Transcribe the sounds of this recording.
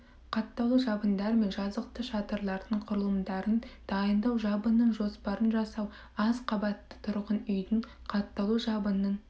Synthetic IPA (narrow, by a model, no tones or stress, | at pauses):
qʰɑt̪ːɑlˠuʒɑbənd̪ɑɾme̞nʒɑzəq̚t̪əʃɑt̪əɾlˠɑɾd̪əɴqʰʊɾəlˠəmd̪ɑɾənd̪̥ɑjənd̪ɑwʒɑbənːəɴʒo̞spɑɾənʒɑsɑw | ɑzqʰɑbɑt̪ːə̥t̪ʰʊɾʁənʏjd̪ɪɴ | qʰɑt̪ːɑlˠuʒɑbənːəɴ